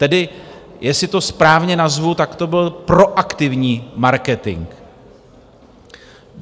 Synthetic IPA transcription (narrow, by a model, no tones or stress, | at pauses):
t̪ɛdɪ | jɛsɪt̪o̞spɾaːvɲɛnazvut̪akt̪o̞bɪlpɾo̞ʔakt̪ɪvɲiːmaɾkɛt̪ɪ̰ŋk